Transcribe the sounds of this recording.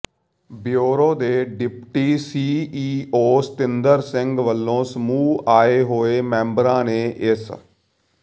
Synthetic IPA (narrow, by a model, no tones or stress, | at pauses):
bjoːɾõːd̪eːɖɪpʈiːsiːiːoːst̪ɪnd̪əɾsɪ̃ŋɡʋəlːõːsəmuːaːeːɦoːeːmɛ̃ːmbəɾãːneːʔɪs